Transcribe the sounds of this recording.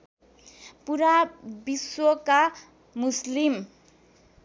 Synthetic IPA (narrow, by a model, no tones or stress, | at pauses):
puɾabiswʌka | muslim